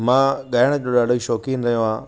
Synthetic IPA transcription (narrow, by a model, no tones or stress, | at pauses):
mãːɠaːɪɽ̃d͡ʑoːɗaːɖoiʃɔːkiːnɾɐɦjõãː